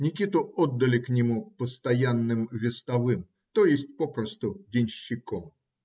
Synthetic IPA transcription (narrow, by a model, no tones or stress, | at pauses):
nʲɪkʲit̪ʊod̪ːəlʲɪknʲɪmupəst̪ɐjanːɨmvʲɪst̪ɐvɨm | t̪ojɪsʲtʲpopɾəst̪ʊdʲɪnʲɕːɪkom